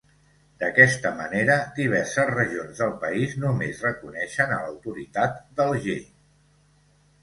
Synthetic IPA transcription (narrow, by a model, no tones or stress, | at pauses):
d̪̥əkɛst̪əməneɾəd̪iβ̞ɛɾsəzrəʒionzðəlˠpəiznumezrəkunɛʃənələwt̪uɾit̪at̪d̪əlˠʒe